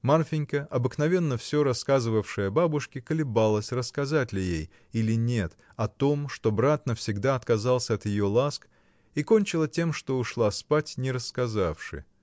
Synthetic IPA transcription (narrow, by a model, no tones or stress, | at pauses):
marfʲɪnʲkəʔɐbɨknɐvʲe̞nːəfsʲo̞ɾɐskazɨvəfʂɨjɐbabʊʂkʲɪkəlʲɪbalˠəsʲrəskɐzatʲlʲɪjej | ilʲɪnʲe̞t̪ | ɐt̪o̞mʂt̪obɾat̪nəfsʲɪɡd̪aɐt̪kɐzalˠsʲəɐt̪jɪjo̞lˠask | iko̞nʲt͡ɕɪlˠətʲe̞mʂt̪o̞ʊʂlˠaspatʲnʲɪɾəskɐzafʂɨ̰